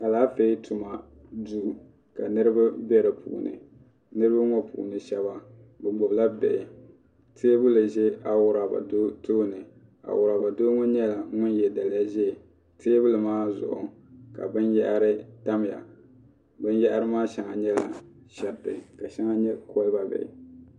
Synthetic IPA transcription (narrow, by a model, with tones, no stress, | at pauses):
ʔa˨laː˦fe˦i˦tʰu˨ma˨ | du˦˨˦ | ka˨nɨ˦ɾɨ˦ba˦bɛ˦ɾɨ˨pʰṵ˨ʔnɨ̰˨ | nɨ˦ɾɨ˦ba˦ŋɔ˦pṵ˨ʔṵ˨nɨ˨ʃɛ˨ba˦ | bɨ˨ɡ͡bɔ˨bla˦bɛ̰˨ʔɪ˨ | tʰeː˦bʊ˦lɨ˨ʒɛ˦ʔa˨wʊ˦ɾa˨ba̰˨do˦toː˦nɨ˨ | a̰˨wʊ˨ɾa˨ba˨doː˦ŋɔ˦ɲɛ˦la˨˦ŋʊ˦njɛ˨da˨lɪ˦a˦ʒɛ˦˨ | tʰeː˦bʊ˦lɨ˨maː˦zʊ̰˨ʔʊ˨ | ka̰˨bɨ˦njɛ˦ʔɾɨ˦ta˦m˨ja̰˨ | bɨ˦njɛ˦ʔa˦ɾɨ˦maː˦ʃɛ˨ŋa˨ɲɛ˦la̰˨ | ʃɛ˨tɨ̰˨ka˨ʃɛ˦ŋa˦ɲɛ˦ko˦lɨ˦ba˦bɛ̰˨ʔɪ̰˨